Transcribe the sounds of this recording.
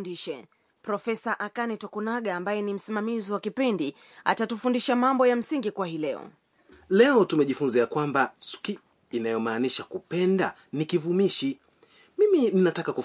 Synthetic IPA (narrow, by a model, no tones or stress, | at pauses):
ndiʃɛ | pɾɔfɛsaʔakanitɔkunaɠaːmbajɛnim̩simamiziwakipindi | a̰tatufundiʃamambɔjam̩siŋɡikwahilɛɔ̰ | lɛɔtumɛʄifunziakwambasu̥ki | inajɔmaːniʃakupɛnda | nikivumiʃi | mimininatakaku